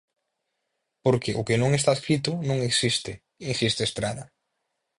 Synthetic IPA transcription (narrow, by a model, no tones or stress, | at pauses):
poɾkeʔʊkenõŋest̪aeskɾit̪ʊnõŋeksist̪ɪ | insist̪eːst̪ɾaðɐ